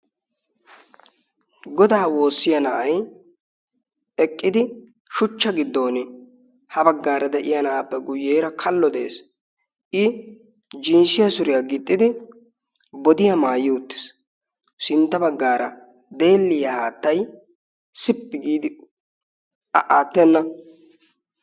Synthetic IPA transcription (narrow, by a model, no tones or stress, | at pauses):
ɡɔd̪aːwo̞ːsːɪjɐnɐʔɐj | ɛkʼːɪd̪ɪ | ʃʊt͡ʃːɐɡɪd̪ːo̞ːnɪ | hɐbɐɡːaːɾɐd̪ɛʔɪjɐnɐʔapːɛɡʊjːeːɾɐkʰɐlːɔd̪ɛḛːs | ʔɪ | d͡ʒɪnsɪjɐsʊɾɪjɐɡɪt̪ʼːɪd̪ɪ | bɔd̪ɪjɐmaːjːɪʊt̪ːɪ̥s | sɪnt̪ːɐbɐɡːaːɾɐ | d̪e̞ːlːɪjɐhaːt̪ːɐj | sɪpːɪɡiːd̪ɪ | ɐʔaːt̪ːɛnːɐ